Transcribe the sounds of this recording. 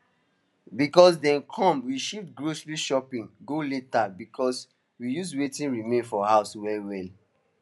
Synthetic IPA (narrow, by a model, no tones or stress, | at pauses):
bikɔs̬dɛ̃nkʰɔ̃mwiʃiftɡɹosliʃɔpĩnɡoletabikʰɔs | wijuswetĩnɹimẽnfɔhaʊswɛwɛl